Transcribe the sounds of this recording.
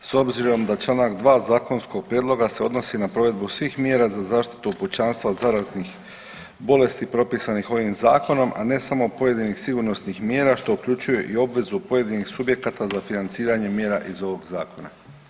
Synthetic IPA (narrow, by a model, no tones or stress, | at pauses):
so̞bziɾo̞md̪at͡ʃlˠanakd̪ʋaːzaːko̞nsko̞ɡ̚pɾjed̪lˠo̞ɡase̞o̞d̪no̞sinapɾo̞ʋe̞d̪busʋiːxmje̞ːɾazazaːʃt̪i̥t̪uuput͡ɕanst̪ʋaod̪zaɾaznix | bo̞le̞st̪ipɾo̞pisanixo̞ʋimzaːko̞no̞mʔa̰ne̞samo̞po̞je̞d̪inixsiɡuɾno̞snixmje̞ːɾaʃt̪o̞ukʎut͡ɕujuʔio̞bʋe̞zupo̞je̞d̪inixsubje̞kat̪azafinant̪siːɾaɲe̞mje̞ːɾaʔizo̞ʋo̞ɡzaːko̞na̰